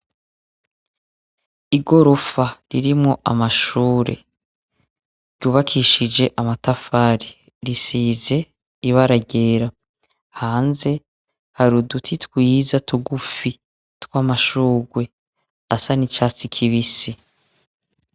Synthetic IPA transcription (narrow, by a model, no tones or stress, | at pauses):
iɡo̞ɾofaɾiɾimŋo̞ʔa̰maʃuːɾe̞̰ | ɾjuːβakʰiʃid͡ʒe̞ʔamatafaːɾi | ɾisiːze̞ | iβaɾaɟe̞ːɾa | haːnze̞ | haɾudutʰitkwizatuɡufi | twaːmaʃuːɡwe̞ | asanit͡ʃaːt͡sikʰiβisi